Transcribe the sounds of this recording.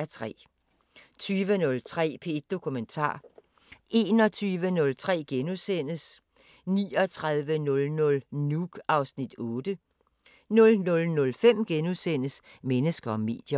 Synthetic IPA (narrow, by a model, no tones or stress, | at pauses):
æt͡sʰʁɛ̰ː | t͡sʰyːʋənɔ̽lt͡sʰʁɛ̰ːpʰe̝d̥̚d̥o̝kʰument͡sʰɑ̰̈ː | ʔe̝ːnɒ̽t͡sʰyːʋənɔ̽lt͡sʰʁɛ̰ːɡ̥enusen̰əs | nḭːɒ̽t͡sʰʁað̞ˠʋənɔ̽lnɔ̽lnuɡ̥ɑ̈ʊsnid̥ɔ̽ːd̥ə | nɔ̽lnɔ̽lnɔ̽lfem̰ɡ̥enusen̰əsmenəsɡ̥ɐɒ̽me̝̰ːd̥jɐ